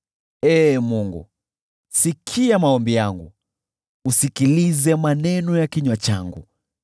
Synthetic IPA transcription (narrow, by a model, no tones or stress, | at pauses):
ɛːmuŋɡṵ | sikʰiamaɔmbijaŋɡṵ | usikilizɛmanɛnɔjakiɲwat͡ʃa̰ŋɡṵ